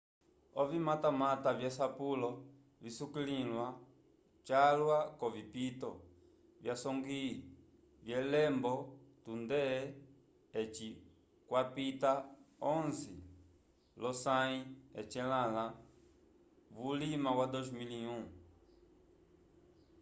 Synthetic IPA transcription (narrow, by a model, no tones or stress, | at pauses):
ɔvimatamatavjasapulɔ | visukililwa | t͡ʃalwakɔvipit̪ɔ | vjasɔŋɡi | vjɛlɛmbɔtund̪ɛ | t͡ʃi | kwapit̪aɔ̃nzi | lɔsãĩɛt͡ʃɛlala | vulimawad̪ozmiliũ